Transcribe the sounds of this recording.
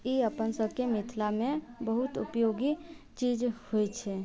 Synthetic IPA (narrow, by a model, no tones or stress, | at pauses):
iəpənsəbkemit̪ʰlamẽbəɦut̪upjoɡi | t͡ʃid͡ʒhojt͡ʃʰɛ